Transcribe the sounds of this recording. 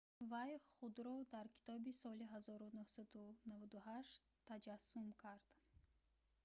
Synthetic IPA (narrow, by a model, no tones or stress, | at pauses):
vajχud̪ɾɔd̪aɾkʰi̥t̪ʰɔbisɔliɦazɔɾunuhsad̪unavad̪uhaʃ | t̪ʰːad͡ʒasːumkʰaɾd̪̥